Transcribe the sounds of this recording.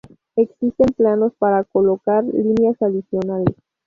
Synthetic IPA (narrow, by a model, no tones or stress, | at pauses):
e̞ksist̪e̞mplano̞spaɾako̞lo̞kaɾlinjasaðisjo̞nales